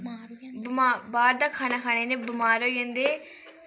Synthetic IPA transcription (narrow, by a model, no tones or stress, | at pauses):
bɪmaːbaːɾd̪aːkʰaːnaːkʰaːneːnẽːbɪmaːɾoːiə̃nd̪eː